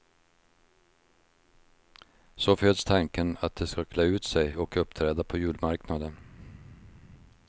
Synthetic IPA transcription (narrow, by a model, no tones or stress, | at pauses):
soːføːd̪st̪ʰɑŋkənɑt̪̚d̪eːskɑkʰleːʉːt̪sɛɪɔkɵpt̪ʰɾeːd̪apʰoːjʉːlmɑɾknad̪ən